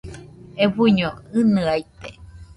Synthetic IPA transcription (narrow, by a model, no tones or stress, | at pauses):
eβuɲoɨnɨajt̪e